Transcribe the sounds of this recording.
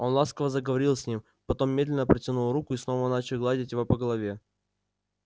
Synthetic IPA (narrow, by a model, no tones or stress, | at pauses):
o̞nlˠaskəvəzəɡəvɐɾʲilˠsʲnʲim | pɐt̪o̞mːʲed̪lʲɪnəpɾʲɪtʲɪnulˠrukʊisno̞vənat͡ɕɪlˠɡlˠadʲɪtʲjɪvopəɡəlˠɐvʲe̞